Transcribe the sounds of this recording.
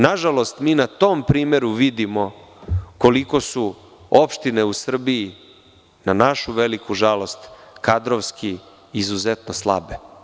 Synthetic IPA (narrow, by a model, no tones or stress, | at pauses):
naʒalo̞st̪miːnat̪ompɾiːmeɾuʋid̪imo̞ | ko̞liko̞su | opʃt̪ine̞usr̩biː | nanaʃuʋelikuʒalo̞st̪kad̪ɾoʋskiː | zuzet̪noslˠa̰be